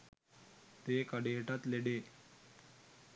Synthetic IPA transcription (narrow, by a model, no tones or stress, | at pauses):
t̪ekaɽeɦeʈat̪leɽe